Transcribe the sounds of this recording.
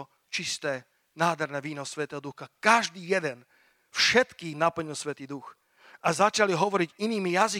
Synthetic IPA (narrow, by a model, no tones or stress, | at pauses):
t͡ʃist̪ɛː | naːd̪ʱɦɛɾnɛːʋiːnɔsʋɛt̪ɛːɦɔd̪uxakaʒd̪iːjɛd̪ɛn | fʃɛt̪kinapl̩ɲilsʋɛt̪iːd̪ux | azat͡ʃaliɦɔʋɔɾiɟiniːmijazi